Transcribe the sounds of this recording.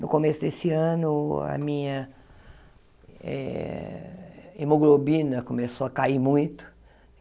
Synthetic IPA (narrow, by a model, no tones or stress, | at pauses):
nʊkomesʊd̪esɪɐ̃nʊɐ̰mĩɲɐ | ɛ̰ | emoɡlobĩnɐkõmesoɐkaiɾmũj̃t̪ʊ̥